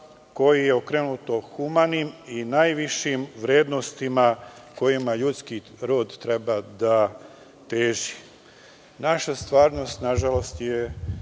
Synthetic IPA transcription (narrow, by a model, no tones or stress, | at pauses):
ko̞jijeokɾenut̪o̞xumaniminajʋiʃimʋɾeːd̪nost̪imako̞jimaʎut̪ski | ɾoːd̪t̪ɾe̞bad̪a | t̪eːʒi | naʃast̪ʋaːɾno̞st̪naʒalo̞st̪je